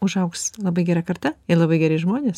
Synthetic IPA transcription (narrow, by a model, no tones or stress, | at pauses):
ʊʒɐʊkslˠɐbɐɪɡʲɛːɾɐkɐrt̪ɐɪlˠɐbɐɪɡʲæːɾʲɪʒmoːnʲeːs